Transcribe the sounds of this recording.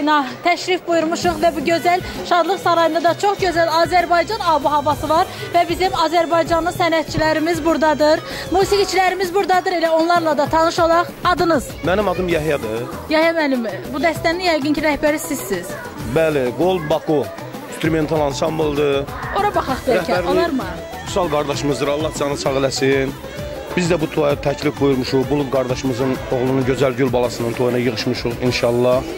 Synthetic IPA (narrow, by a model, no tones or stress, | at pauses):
nɑt̪ʰæʃɾifbujuɾmɯʃɯχvæbuɟø̞zæl | ʃɑd̪lˠɯχsɑɾɑjund̪ɑd̪ɑt͡ʃʰo̞χɟø̞zælɑːzæɾbɑjd͡ʒɑnɑbuɦɑbɑsɯvɑɾvæbizimɑːzæɾbɑjd͡ʒɑnɯnsænæt̪̚t͡ʃʰilæɾimizbuɾd̪ɑd̪ɯɾ | muːsiɡit͡ʃʰilæɾimizbuɾd̪ɑd̪ɯɾelæo̞nlˠɑɾlˠɑd̪ɑt̪ʰɑnɯʃolˠɑχɑd̪ɯnɯz̥mænimɑd̪ɯmjɑɦjɑd̪ɯ | jɑhjɑmænimbud̪æst̪ænijɑjɡɯncʰiɾæhbæɾisizsːiz̥ | bæliɡolˠd̪bɑkʰo | st̪uɾume̞nt̪ʰɑlˠɑnsɑmblˠd̪ɯo̞ɾɑbɑχɑχd̪ɾæhcʰæɾollˠɑɾmɯ | usɑlˠɡɑɾd̪ɑʃɯmɯzɾɑlˠːɑt̪sjɑnɯsʰɑʁilæsin | b̥izd̪æbut̪ʰojɑt̪ʰæcʰlifɡujuɾmuʃuʁbulˠuɡɑɾd̪ɑʃɯmɯzɯno̞ʁlˠununɟøzælɟylbɑlˠɑsɯnɯnt̪ʰojunɑjɯʁɯʃmɯʃuʁinʃɑlˠːɑh